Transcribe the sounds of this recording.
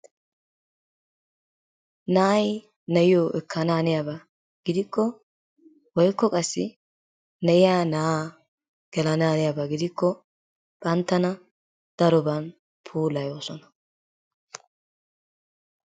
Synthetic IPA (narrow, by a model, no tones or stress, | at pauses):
naːj | nɐjɪjoːʔɛkʰːɐnaːnɪjabɐ | ɡ̥ɪd̪ɪkːɔ | wɔjkːɔkʼɐsːɪ̰ | nɐʔɪjaːnaː | ɡ̥ɛlɐnaːnɪjabɐɡɪd̪ɪkːɔ | b̥ʼɐnt̪ːɐnɐ | d̪̥ɐɾɔbɐn | pʰuːlɐjo̞ːsɔnɐ̥